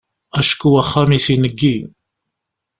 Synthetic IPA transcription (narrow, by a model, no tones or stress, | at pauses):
æʃkuwæχːæmisinəɡːi